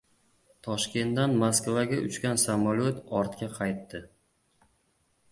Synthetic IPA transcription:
t̪ʰɒʃkʲe̞nt̪d̪anmaskvaɡʲaʔʊ̰t͡ʃkʲansamalʲot̪ɒɾt̪kʲaqʰɑjt̪ːɪ

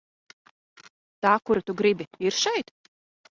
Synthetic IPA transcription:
t̪aːkuɾat̪uɡɾibiiɾʃɛjt̪

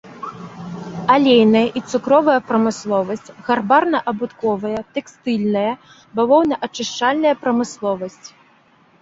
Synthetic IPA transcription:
alʲejnɐjɐʔit̪sukɾɔvɐjɐpɾɐmɨslˠɔvɐsʲt͡sʲɣarbarnɐʔɐbut̪kɔvɐjɐt̪ɛkst̪ɨlʲnɐjɐ | balɔwnɐʔɐt͡ʂɨʂt͡ʂalʲnɐjɐpɾɐmɨslˠɔvɐsʲt͡sʲ

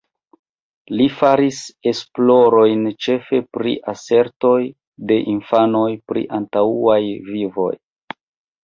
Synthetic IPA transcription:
lifaɾise̞splo̞ɾo̞jnt͡ʃe̞fe̞pɾḭʔase̞ɾto̞j | de̞ʔinfano̞jpɾḭʔantauajvivo̞̰j

